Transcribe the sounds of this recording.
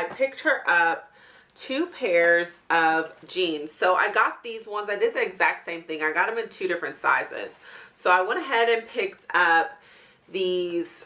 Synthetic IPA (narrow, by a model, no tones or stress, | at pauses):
aɪpʰɪk̚t̚hə˞ʔʌp̚ | tʰʉpʰɛɹzʔʌvd͡ʒĩnz̥soʊʔa̰ɪɡɑt̪̚ðizwʌ̃nzaɪdɨd̪̚ðiɨɡzæk̚tsẽɪ̃mθɪ̃ŋaɪɡɑɾ̚ɨ̃mɨ̃ntʰʉɾɪfɹɨ̃ntsa̰ɪzɪ̰z̥soʊaɪwɛ̃ɾ̃ɨɦɛɾɨ̃npʰɪk̚tʰʌp̚ | ðiz̥